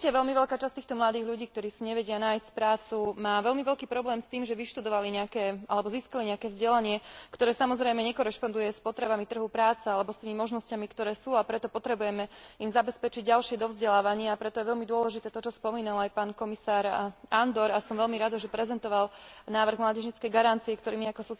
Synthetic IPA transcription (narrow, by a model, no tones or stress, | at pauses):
caʋɛʎmiʋɛʎkaːt͡ʃast̪iːxt̪ɔmlad̪iːɦʎuɟiːk̚t̪ɔɾiːsiɲɛʋɛɟɪanaːjscpɾaːt͡sumaːʋɛʎmiʋɛlkiːpɾɔblɛːmst̪iːmʒɛʋiʃt̪ud̪ɔʋaliɲɛakɛːalɛbɔziːskaliɲɛakɛːvzɟɛlaɲɪɛkt̪ɔɾɛːsamɔzɾɛjmɛɲɛkɔɾɛʃpɔnd̪ujɛspɔt̪ɾɛbamit̪r̩ɦupɾaːt͡sɛalɛbɔst̪iːmimɔʒnɔscamikt̪ɔɾɛːsuːapɾɛt̪ɔpɔt̪ɾɛbujɛmɛimzabɛspɛt͡ʃiɟ̚ɟalʃɪɛd̪ɔvzɟɛlaːʋaɲɪaːpɾɛt̪ɔjɛʋɛʎmid̪ʊɔlɛʒit̪ɛːt̪ɔt͡ʃɔspɔmiːnalajpaːnkɔmisaːɾand̪ɔɾasɔmʋɛʎmiɾad̪ɔʒɛpɾɛzɛnt̪ɔʋalnaːʋr̩ɣmlaːɟɛʒɲit͡skɛjɡaɾant͡siɛkt̪ɔɾiːmiakɔsɔt͡s